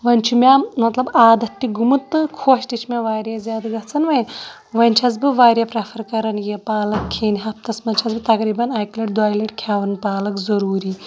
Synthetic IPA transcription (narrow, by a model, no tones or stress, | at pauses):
ʋɐnʲt͡ʃʰumʲamɐt̪lɐbaːd̪ɐt̪ʲːiɡumɨt̪ːɨkʰoːʃʈit͡ʃʰmʲaʋaːɾʲazʲaːd̪ɡɐt͡sʰɐnʋɐj | ʋɐnʲt͡ʃʰɐzbɨʋaːɾʲjaːpɾɐpʰɐɾkɐɾɐnjepaːlɐkʰːeːniɦɐpt̪ɐsmɐnʲt͡ʃʰɐzbɨt̪ɐkɾiːbɐnaːjklɐʈ̚d̪aːjleʈkʲʰjaːʋɐnpaːlɐkzɐɾuːɾiː